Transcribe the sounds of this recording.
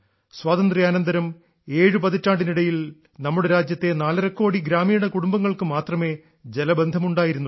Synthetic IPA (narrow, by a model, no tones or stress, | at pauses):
swaːt̪ɐnd̪rijaːnɐnd̪ɐɾɐm | e̞ːɻɨpɐðitːaːɳɖiniɽɐjil | nɐmːuɽeɾaːd͡ʑjɐt̪ːe̞naːlɐɾɐkːo̞ːɽiɡɾaːmiːɳɐkuɽumbɐŋːɐɭkɨmaːt̪rɐme̞ː | d͡ʑelɐbe̞nd̪ʱɐmuɳɖaːjiɾunːu